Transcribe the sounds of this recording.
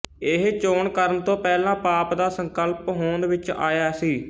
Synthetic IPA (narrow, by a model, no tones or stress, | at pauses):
eɦt͡ʃoːɳkəɾənt̪õːpɛːlãːpaːpd̪aːsəŋkəlpɦoːnʋɪt͡ʃa̰ːjaːsiː